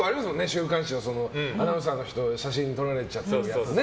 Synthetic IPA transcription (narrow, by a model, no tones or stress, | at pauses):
aɾʲimasɨmoneɕɨːkãɰ̃ɕioso̞no̞anamɯs̬ãnːo̞çi̥t̪o̞ɕaɕĩɲ̟ːit̪o̞ɾaɾe̞t͡ɕat̪ːad̪e